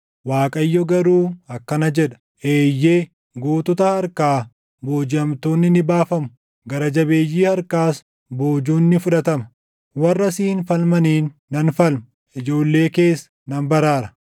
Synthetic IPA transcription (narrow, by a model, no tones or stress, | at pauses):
waːkʼɐjːɔɡɐɾuːɐkːɐnɐd͡ʒɛᶑɐ̥ | ʔeːjːeː | ɡoːt̪ʊt̪ɐhɐɾkaː | boːd͡ʒɪɐmt̪oːnːɪnɪbaːfɐmʊ | ɡɐɾɐd͡ʒɐbe̞ːjːiːhɐɾkaːs | boːd͡ʒuːnːɪfʊᶑɐt̪ɐmɐ | wɐrːɐsiːnfɐlmɐniːnːɐnfɐlmɐ | ʔɪd͡ʒo̞ːlːe̞ːke̞ːsːɐ̥nɐnbɐɾaːɾɐ̥